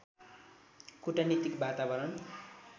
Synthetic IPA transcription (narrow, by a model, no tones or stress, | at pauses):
kuʈanit̪ikbat̪abʌɾʌn